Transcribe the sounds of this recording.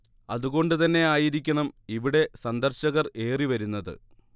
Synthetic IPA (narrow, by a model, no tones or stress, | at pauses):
ɐðuɣo̞ɳɖɨt̪ɐnːe̞aːjiɾikʲːɐɳɐmiʋiɽe̞sɐnd̪ɐrɕɐɣɐre̞ːriʋɐɾunːɐðɨ̰